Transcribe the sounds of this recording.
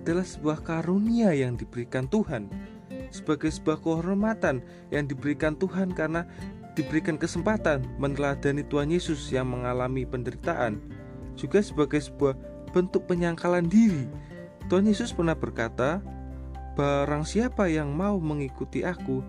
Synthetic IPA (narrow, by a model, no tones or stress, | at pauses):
ʔad̥alahsəbuahkaɾoniajaŋdib̥əɾikant̪uhan | səb̥aɡajsəbuahkəɦɔɾmat̪an | jaŋdibəɾikant̪uɦankarəna | d̥ibəɾikankəsəmpat̪anmənəlad̪̥anit̪uanjesʊsjaŋməŋalamipəndəɾit̪aʔa̰n | d͡ʒuɡasəbaɡajsə̥b̥uah | b̥ənt̪ʊk̚pəɲaŋkalandiɾi | t̪uɦanjesʊspərnahb̥ərkat̪a | b̥aɾaŋsiapajaŋmauməŋikut̪iʔaku